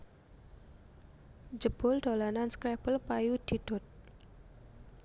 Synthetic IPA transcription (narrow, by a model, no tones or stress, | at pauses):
d͡ʒəb̥ʊ̤ld̪̥olananskɾɛb̥əlpajud̪̥i̤d̪̥ʊ̤t̪̚